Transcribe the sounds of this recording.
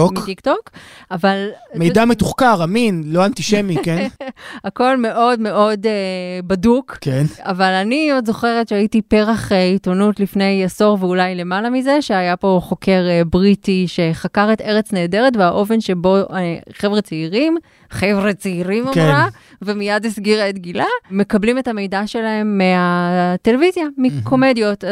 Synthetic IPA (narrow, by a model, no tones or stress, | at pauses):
omtiktokavalmejdametuχkaʁaminloantiʃemikenako̞lme̞ʔo̞dme̞ʔo̞debadukkena̰valaniodzo̞χe̞ʁetʃeaitipe̞ʁaχeitonutlifne̞jaso̞ʁveulajle̞malamize̞ʃe̞ajapo̞χo̞kʰe̞ʁbʁitiʃe̞χakaʁete̞ʁet͡sneːde̞ʁetveaʔo̞fe̞nʃe̞bo̞eχevʁet͡seiʁim | χevʁet͡seiʁimoʁa | vemijadisɡiʁetɡilame̞kablimethame̞jdaʃe̞laɦe̞mːeate̞levizjamikʰo̞me̞djo̞t